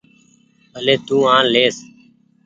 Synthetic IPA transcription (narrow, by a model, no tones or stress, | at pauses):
əleːt̪uːãːleːs